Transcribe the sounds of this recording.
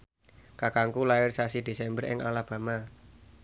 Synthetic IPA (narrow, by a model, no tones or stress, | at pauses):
kakaŋkulaɪrsasid̪̥e̤sɛmbərɪ̰ŋalab̥a̤ma